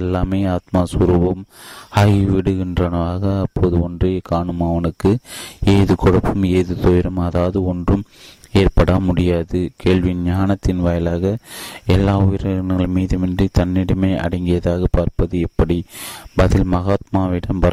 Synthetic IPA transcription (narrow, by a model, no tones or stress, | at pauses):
ɛlːaːmeːaːt̪̚maːsʊɾuːʋɐmaːɣiʋɪɽɯɣɪndrɐnɐʋaːɣɐːpːoːðɯɔndrekaːɳɯmɐʋɐnɯkːɯeːðɯkɔɽɐpːɯmeːðɯt̪ɔjɪɾɐmɐðaːʋɐðɯɔndrɯmeːrpɐɽɐmʊɽɪjaːðɯkʰeːɭʋɪnɲaːnɐt̪ːɪnʋɐjɐlaːɣɐɛlːaːʊjɪɾɐɐnɣɐɭmiːðɯmɛndrit̪ɐnːɪɽɐmeːʔɐ̰ɽɐŋɡɪjɐðaːɣɐpaːɾpɐðɯɛpːɐɽibɐðɪlmɐɣaːt̪maːʋɪɽɐmpɐɾ